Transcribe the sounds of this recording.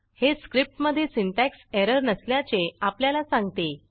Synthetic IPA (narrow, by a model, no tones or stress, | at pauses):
heskɾip̚ʈməd̪ʱːjesiɳʈækseɾəɾnəsljat͡seapljalasãŋɡt̪e